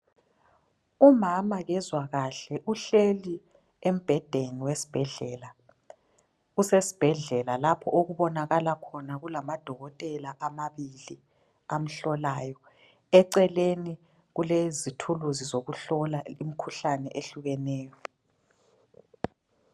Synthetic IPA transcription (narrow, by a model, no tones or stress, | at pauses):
umamaɣɛzwaɣaɬɛʔuɬeli | em̩b̥ʱɛd̥ʱeniwesi̥b̥ʱɛɮɛːla | ɣusesi̥b̥ʱɛɮɛlalapʰɔʔoɣuβɔnaɣalakʰɔnaɣulamad̥ʱɔɣɔtʼɛlaʔamaβili | am̩ɬɔlaːjɔ | ɛǀɛleni | ɣulezitʰuluzizoɣuɬɔlaimikʰuɬanɛʔeɬuɣɛnɛːjɔ